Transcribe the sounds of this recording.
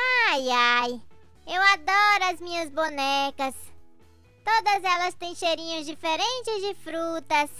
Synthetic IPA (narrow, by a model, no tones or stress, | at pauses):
ajaj | ewad̪ɔɾʊɐzmĩɲɐzbonɛkɐs | t̪od̪ɐzɛlɐst̪ẽj̃ʃejɾĩɲʊzd͡ʒifeɾẽnt͡ʃɪzd͡ʒɪfɾut̪ɐs